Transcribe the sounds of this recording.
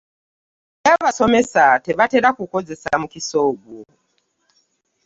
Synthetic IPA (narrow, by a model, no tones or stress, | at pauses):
ɛβasɔmɛsatɛβatɛɗakukɔd͡zɛsa̰mukisɔɡɔ